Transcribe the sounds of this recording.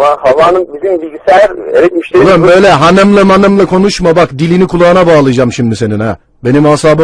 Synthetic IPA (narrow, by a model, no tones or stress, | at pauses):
mahavaːnɯnbizimbilʲɟisejæɾeɾɛt̪miʃlʲeaɾmbø̞jlʲɛɦanamlˠamanɯmlˠakʰo̞nuʃmabakd̪ilʲinikʰulˠaːɯnabaːlˠɯjd͡ʒamʃimd̪ise̞ninæ | be̞nimashaːbɯ